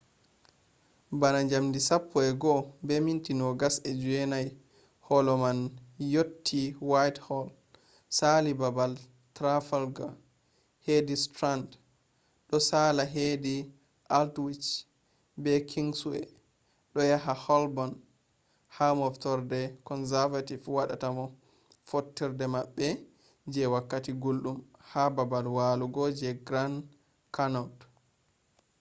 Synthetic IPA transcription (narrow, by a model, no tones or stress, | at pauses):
banaɲd͡ʒamdisapːɔɛɡɔbɛmintinɔɡasɛd͡ʒuɛnaj | hɔlɔmanjotʰːiwajthɔl | salibabal | tɾafalɡa | hedistɾand | ɗɔsalaɦedi | ʔaltwit͡ʃ | bɛkʰiŋsuɛ̰ | ɗɔjaɦahɔlbɔn | hamɔftɔɾdɛkɔnsɛɾvativwaɗatamɔ | fotːiɾdɛmaɓːɛ | d͡ʒɛwakːatiɡolɗumhababalwaluɡɔd͡ʒɛɡɾan | kanɔt